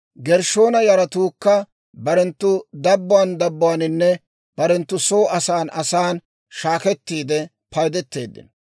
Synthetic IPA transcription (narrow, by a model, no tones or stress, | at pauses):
ɡɛɾʃo̞ːnɐjɐɾɐt̪uːkːɐ | bɐɾɛnt̪ːʊd̪ɐbːʊwand̪ɐbːʊwanɪnːɛ | b̥ɐɾɛnt̪ːʊsoːɐsaːnʔɐsaːn | ʃaːkɛt̪ːiːd̪ɛ | pɐjd̪ɛt̪ːe̞̰ːd̪ːɪ̰n